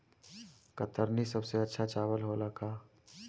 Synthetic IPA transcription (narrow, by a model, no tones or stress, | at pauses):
kɐt̪əɾnisɐbseɐtːʃʰat͡ʃaːʋəlɦoːlakaː